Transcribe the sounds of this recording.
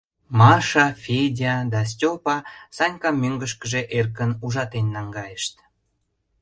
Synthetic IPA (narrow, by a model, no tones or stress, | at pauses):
mɑʃɑfʲedʲɑd̪ɑs̬tʲopɑsɑnʲkɑmːøŋɡəʃ̬kəʒeʔerkənuʒɑt̪enːɑŋɡɑjəʃt̪